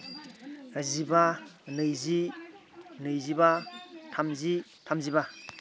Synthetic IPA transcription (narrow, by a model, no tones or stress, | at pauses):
azibanɯjzi | nɯjzibatʰamzitʰamziba